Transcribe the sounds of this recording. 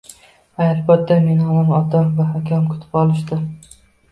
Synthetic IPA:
ajalbat̪ːamenɒmɒnɒt̪ʰamvaɦakʲʰamkʰʊ̥t̪ʰɪ̥pɒlˠɪʃd̪ɪ

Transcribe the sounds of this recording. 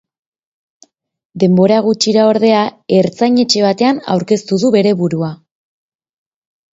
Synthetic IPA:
d̪e̞mbo̞ɾaɣ̞ut͡ʃiɾao̞ɾðe̞ae̞ɾt͡sajɲe̞t͡ʃe̞β̞at̪e̞ana̰wɾke̞st̪uðuβe̞ɾe̞βuɾua

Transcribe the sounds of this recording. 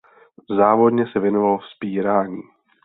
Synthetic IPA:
zaːvo̞dɲɛsɛvjɛnovalofspiːɾaːɲiː

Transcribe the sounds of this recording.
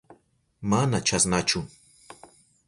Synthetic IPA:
manat͡ʃasnat͡ʃʊ

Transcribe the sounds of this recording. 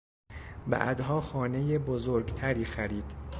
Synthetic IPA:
bæ̰ʔd̪ɦɒːxɒːne̞jebozoːɾɟt̪ʰæɾiːxæɾiːd̪̥

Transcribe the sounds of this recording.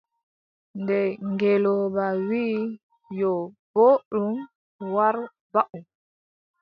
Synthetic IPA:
ndɛŋɡɛlɔbawiː | jɔboɗum | waɾ | baʔum

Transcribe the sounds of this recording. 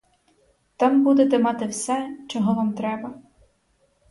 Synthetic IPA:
t̪ɑmbud̪ɛt̪ɛmɑt̪ɪwsɛt͡ʃɔɦɔʋamt̪ɾɛbɐ

